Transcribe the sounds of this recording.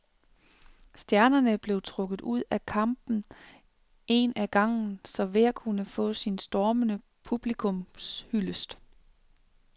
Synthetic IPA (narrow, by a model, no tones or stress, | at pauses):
sd̥jæɐnɐnəb̥le̝ʊt͡sʰʁɔ̽ɡ̥ð̩ˠuð̞̰ˠækʰɑ̈mb̥n̩ | e̝næɡ̥ɑ̈ŋ̰n̩sɒ̽ʋe̝ækʰunəfɔ̰̽ːsinsd̥ɒːmənə | pʰub̥likʰɔ̽mshyləsd̥